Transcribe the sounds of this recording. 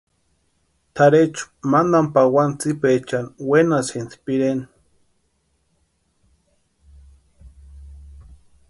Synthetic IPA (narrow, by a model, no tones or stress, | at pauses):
t̪ʰaɾet͡ʃʊ̥mand̪ampawant͡sipet͡ʃanwenasinspiɾen